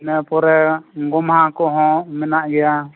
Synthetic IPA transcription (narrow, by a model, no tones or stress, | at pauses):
nɛpɔɾɛɡɔmhakɔɦɔ̃mɛnaʔɡɛja